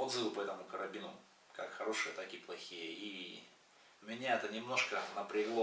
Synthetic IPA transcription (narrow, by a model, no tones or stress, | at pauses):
od̪zɨvɨpɐɛt̪əmʊkəɾɐbʲinʊ | kakxɐɾo̞ʂɨjət̪akiplˠɐxʲijəi | mʲɪnʲaɛt̪ənʲɪmno̞ʂkənəpɾʲɪɡlˠo